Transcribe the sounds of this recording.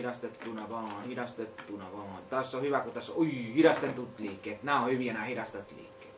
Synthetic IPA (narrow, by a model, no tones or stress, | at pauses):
ɾɑst̪et̪ːunɑʋɑ̃ːhidɑst̪et̪ːunɑʋɑ̃ːt̪æsːohyʋækut̪ːæsohiɾɑst̪ent̪ːut̪liːkːeːt̪næːõhyʋiænæːhiɾɑst̪ɑt̪lḭːkːeːt̪